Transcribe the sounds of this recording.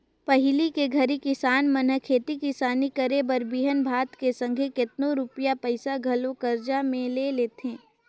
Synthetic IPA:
pɐɦɪlikeɡʱɐɾikɪsaːnmənəkʰeːt̪ikɪsaːnikəɾebəɾbiːɦənbʱaːt̪kesə̃ŋɡʱekɪt̪nõɾʊpijapəɪsaɡʱɐlõkəɾd͡ʒamẽleleːt̪ẽː

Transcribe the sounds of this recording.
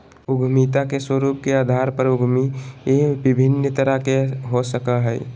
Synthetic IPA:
ʊɡʱmit̪akeswəɾuːp̚keaːd̪ʱaːɾpəɾʊɡʱmijebɪbʱɪnːət̪əɾəkeɦosəkaɦɛː

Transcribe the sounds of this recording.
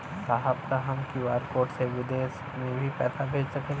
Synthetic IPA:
saɦəbkaɦɐmkiʋaːɾkoːʈseʋɪd̪eːs | mẽbʱipɛ̰ːsabʱeːd͡ʒsɐkeː

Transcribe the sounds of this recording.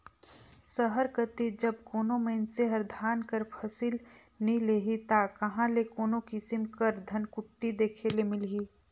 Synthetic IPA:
səɦəɾkət̪id͡ʒɐb̚koːnomeɪnseɦɐɾd̪ʱaːnkəɾpʰɐsiːl | nəĩleːɦit̪akɐɦãlekoːnokɪsɪmkəɾd̪ʱɐnkʊʈːid̪eːkʰelemɪlɦiː

